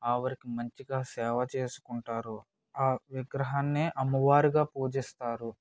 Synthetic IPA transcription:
aːʋɐɾikimɐɲt͡ʃiɡaːsɛːʋɐt͡ʃeːsu̥kuɳʈaːɾu | aːʋiɡɾɐɦaːnːeːʔɐmːɐʋaːɾiɡaːpuːd͡ʒist̪aːɾu

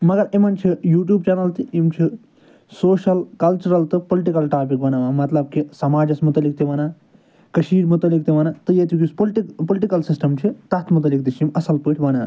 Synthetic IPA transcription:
mɐɡɐɾemɐnt͡ʃʰijuːʈjuːbt͡ʃanɐlt̪iimt͡ʃʰi | soːʃɐlkɐlt͡ʃuɾɐlt̪ɨpoliʈikɐlʈaːpikbɐnaʋaːmɐt̪lɐb̚kisɐmaːd͡ʒɐsmut̪ɐlːik̚t̪iʋɐnaː | kɐʃiːɾmut̪ɐlik̚t̪iʋɐnat̪ɨjet̪juk̬ʲisplʈipolʈikɐlsisʈɐmt͡ʃʰit̪ɐt̪ʰmut̪̬ɐlik̚t̪it͡ʃʰimɐsɐlpɨːʈʰʲʋɐna̰ː

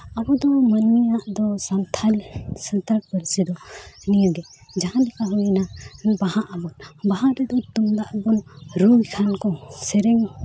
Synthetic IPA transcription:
abɔd̪ɔmənːijaʔd̪ɔsant̪ʰalsənt̪əɾkpəɾsid̪ɔnijɔɡɛ | d͡ʒaɦãlɛkaɦujnabahãʔabɔnbaɦãɾɛd̪ɔt̪umd̪aʔbɔnɾujkʰankɔ̃sɛɾɛŋ

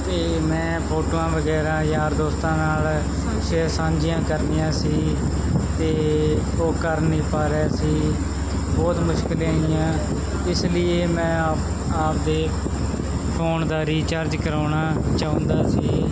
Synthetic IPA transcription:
t̪eː | mɛ̃ːpʰoːʈoːãːʋəɡɛːɾãːjaːɾd̪oːst̪ãːnaːl | ʃeːsãːɲd͡ʒɪjãːkəɾnɪjãːsiː | t̪eː | oːkəɾnĩːpaːɾaːsiː | bɔːt̪mʊʃkɪlãːɪjãː | ɪslɪeːmɛ̃ːap | aːp̚d̪eː | pʰoːɳd̪aːɾiːt͡ʃəɾd͡ʒkəɾaːnaːt͡ʃaːʊ̃nd̪aːsiː

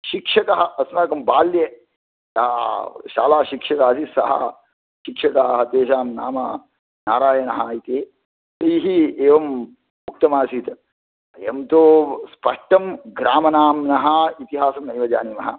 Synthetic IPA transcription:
ʃikʂɐkɐɦɐɐsunaːkɐmbaːljɐ | ja̰ːʃa̰ːlaːʃikʂɐkaːsisɐɦɐ̰ | ʃikʂɐkɐɐɦɐt̪eːʃaːmna̰ːmɐ | naːɾaːjɐnɐɦaːjit̪eː | t̪ɐiɦieːʋɐm | mːuk̚t̪ɐmaːsit̪ | ɐjɐ̰mt̪oːspɐʂʈɐmɡɾaːmɐnaːmnɐɦɐit̪iɦaːsɐmnɐjʋɐd͡ʒaːnimɐɦɐ

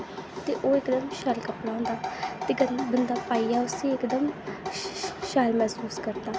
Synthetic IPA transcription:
t̪eːʔoːɪkd̪əmʃalkəpɽãːɦʊ̃nd̪aːt̪eːɡəbənd̪aːpaːijaːʊsĩːɪkd̪əm | ʃaːlmɛsuːskəɾd̪aː

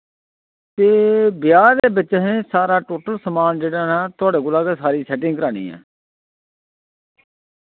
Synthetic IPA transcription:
t̪eːbɪjaːɾd̪eːbɪt͡ʃɦẽːsaːɾaːʈoːʈəlsəmaːnd͡ʒeːɽaːnãːt̪ʊaːɽeːkʊlaːkeːsaːɾiːsɛːʈɪ̃ŋɡkəɾaːɽ̃ḭːɛ̰ː

